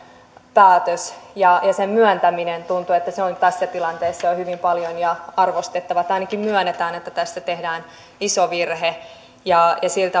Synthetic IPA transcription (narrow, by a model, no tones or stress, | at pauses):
pæːt̪øsjɑjɑsemmyœnt̪æminent̪unt̪uet̪ːæseont̪æsːæt̪ilɑnt̪eːsːeohyʋimpɑljonjɑɑrʋost̪et̪ːɑʋɑet̪ːɑinɑkimmyœnːet̪æːnet̪ːæt̪æst̪æt̪ehdæːn | isoʋirhe | jɑjɑsilt̪æ